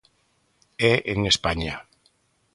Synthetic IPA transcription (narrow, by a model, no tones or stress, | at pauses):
ɛʔeŋespaɲa